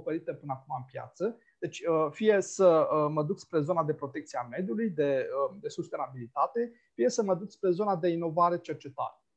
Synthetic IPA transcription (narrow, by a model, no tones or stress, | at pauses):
pəɾit̪əpɨnəakumaɨmpja̰t̪sə | d̪̥e̞t͡ʃʲəfije̞səəməd̪uk̪spɾe̞zo̞nad̪e̞pɾo̞t̪e̞k̚t̪sieame̞d̪julujd̪e̞əd̪e̞sust̪e̞nabilit̪at̪e̞ | fije̞səməd̪uk̪spɾe̞zo̞nad̪e̞ino̞vaɾe̞t͡ʃe̞rt͡ʃe̞t̪a̰ɾə